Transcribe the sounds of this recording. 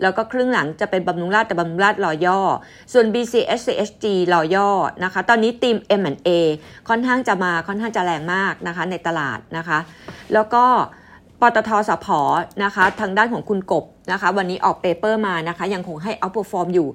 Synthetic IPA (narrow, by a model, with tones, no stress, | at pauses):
lɛː˦˥wkɔː˥˩kʰɾɯ˥˩əŋla˩˦ŋt͡ɕa˨˩pe˧nba˧mlu˧˦˥ŋlaː˥˩t̪ːɛː˨˩ba˧mlu˦˥ŋlaː˥˩t̪̚lɔː˧jɔː˥˩ | su˨˩ənbiː˧siː˧ʔeː˦˥s̚siː˧ʔe˦˥s̚t͡ɕiː˧lɔː˧jɔː˥˩na˦˥kʰa˦˥t̪ɔː˧nːiː˦˥t̪iː˧mʔe˧mʔɛ˨˩nʔeː˧kʰɔ˥˩nkʰaː˥˩ŋt͡ɕa˨˩maː˧kʰɔ˥˩nkʰaː˥˩ŋt͡ɕa˨˩ɾɛː˧ŋmaː˥˩k̚na˦˥kʰa˦˥na˧jt̪a˧la̰ː˨˩t̪̚na˦˥kʰa˦˥ʔlɛː˦˥wkɔː˥˩ | pɔː˧t̪ɔː˧t̪ʰɔː˧sa˩˦pʰɔː˩˦na˦˥kʰa˦˥t̪ʰaː˧ŋdaː˥˩nkʰɔː˩˦ŋkʰu˧nko˨˩p̚na˦˥kʰa˦˥wa˧nːiː˦˥ʔɔː˨˩k̚peː˧pɤː˥˩maː˧na˦˥kʰa˦˥ja˧ŋkʰo˧ŋɦa˥˩jʔɔ˦˥p̚o˧˩fɔː˧mjuː˨˩